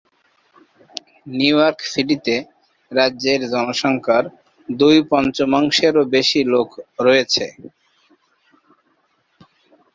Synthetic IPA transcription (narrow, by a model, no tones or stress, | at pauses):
nijɔɾkfilit̪e | ɾadːd͡ʑeɾd͡ʑɔnoʃɔŋkʰaɾ | d̪ujpɔnt͡ɕomaŋʃeɾobeʃilokɾɔet͡ɕʰe